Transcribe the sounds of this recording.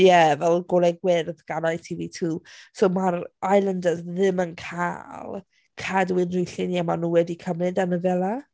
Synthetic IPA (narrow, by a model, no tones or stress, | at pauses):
jɛvɛlˠɡɔlˠɛɡwɪrðɡ̥anajtʰiːvitʰuːsowmaɾajlˠəndəzðɪmənkʰa̰lˠ | kʰadwɪnrʊjɬɪniamanuːwɛdikʰəmnɨdanəvɛlˠa